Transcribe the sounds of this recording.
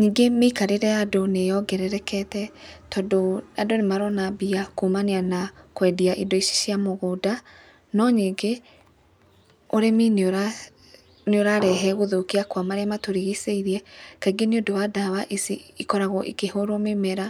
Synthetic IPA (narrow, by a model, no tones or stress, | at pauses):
ɲiɡemeikaɾeɾɛjadonejɔɡɛɾɛɾɛkɛtɛtɔdoadonemaɾɔnabiakomanianakwɛdiaʔidoiʃi̥ʃiamoɣoda | nɔɲeɡe | oɾeminoɾa | neoɾaɾɛɦɛɣoðokiakwamaɾeamatoɾeɣiseiɾiɛkaiɡeneodowadaβaʔesiikɔɾaɣɔʔikehoɾomemɛɾa